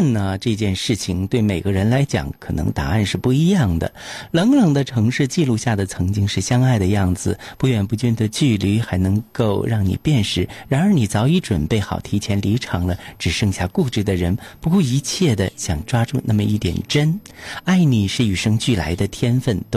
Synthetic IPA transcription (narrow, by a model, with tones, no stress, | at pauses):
ə˥˩nə˩ʈ͡ʂɤ˥˧t͡ɕjɛ˥˧nʂɻ̩˥˩t͡ɕʰi˨˩ŋt̪we˥˩ɪme˨˩ɪɡə˦ɻə˧˥nla˧˥ɪt͡ɕjɑ̰˨˩˦ŋkʰɤ˨˩nɤ̰˧˥ŋt̪a̰˧˥a˥˧nʂɻ̩˥˧pu˥˩i˧˥jɑ˥˩ŋd̪ə̰˩lɤ˧˥ŋlɤ˨˩ŋd̪ə˧˦ʈ͡ʂʰɤ˧˥ŋʂɻ̩˥˧t͡ɕi˥˧lu˥˧ɕja˥˩d̪ə˩t͡sʰɤ˧˥ŋt͡ɕi˥ŋʂɻ̩˥˩ɕjɑ˥ŋa˥˩ɪd̪ə˩jɑ˥˩ŋd͡zɹ̩˩pu˥˩ɥɛ˨˩npu˧˥t͡ɕy˥nd̪ə˨t͡ɕy˥˩ly˧˥xa˧˥ɪnɤ˧˥ŋko˥˧ʊɻɑ˥˩ŋnḭ˨˩pjɛ˥˩nʂɻ̩˧˥˩ɻa˧˥nə˞˧˥ni˨˩t͡sɑ˧˥ʊi˧˥ʈ͡ʂwə˨˩npe˥˩ɪxɑ˨˩ʊt̪ʰi˧˥t͡ɕʰjɛ˧˥nli˧˥ʈ͡ʂʰɑ˧˥ŋlə˧ʈ͡ʂɻ̩˨˩ʂɤ˥˧ŋɕja˥˧ku˥˧ʈ͡ʂɻ̩˥˩d̪ə˩ɻə˧˥npu˧˥kwɔ˥˩i˧˥t͡ɕʰjɛ˥˩d̪ə˩ɕjɑ˨˩ŋʈ͡ʂwa˥ʈ͡ʂu˥˧nʔa˥˩mə˩˧i˥˩t̪jɛ̰˨˩nʈ͡ʂə˥na˥˩ɪni˨˩ʂɻ̩˥˩y˨˩ʂɤ˥ŋt͡ɕy˥˩la̰˧˥ɪd̪ə˧t̪ʰjɛ˥nfə˥˩nt̪